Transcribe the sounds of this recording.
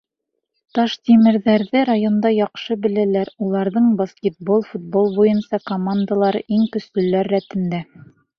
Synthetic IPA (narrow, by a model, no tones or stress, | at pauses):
t̪ɑʃt̪ʲimɘ̆ɾðæɾðɘɾajo̞nd̪ɑjɒqʃɤbɘ̆lælæɾulˠɑɾðɤɴbɐskʲet̪̚bolˠfut̪̚bolˠbujɤnsɑkomand̪alˠɑɾɤʔiŋk̪ɵ̆slɵ̆læɾːæt̪ɘ̆md̪æ